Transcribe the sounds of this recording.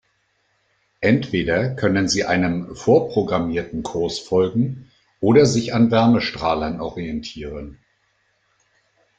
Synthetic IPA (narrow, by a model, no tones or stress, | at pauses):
ʔɛntv̥eːdɐkʰœnənziːʔaɪnəmfoːɐpʁ̥oɡʁamiːɐtn̩kʰʊɐsfɔlɡŋ̩ | ʔoːɾɐzɪçanvɛɐməʃtʁ̥aːlɐnʔɔʁiɛntʰiːʁ̞ən